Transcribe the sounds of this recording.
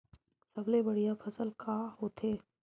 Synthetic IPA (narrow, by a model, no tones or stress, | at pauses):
sɐblebɐɽijapʰɐsəlkʰahoːt̪ʰeː